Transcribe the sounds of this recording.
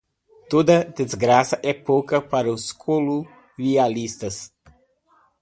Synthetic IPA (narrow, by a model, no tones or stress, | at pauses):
t̪od̪ɐd̪ezɡɾasɐʔɛpowkɐpaɾɐʊskʰolu | ʁialist̪ɐs